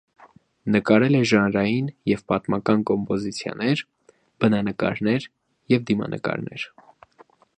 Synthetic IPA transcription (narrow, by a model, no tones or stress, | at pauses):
nəkɑɾɛlɛʒɑnɾɑjinjɛvpɑt̪mɑkɑnkɔmpɔzit͡sʰjɑ̰nɛɾ | b̥ənɑnəkɑ̰ɾnɛɾ | jɛvd̪imɑ̰nʔə̰kɑ̰ɾnʔɛ̰ɾ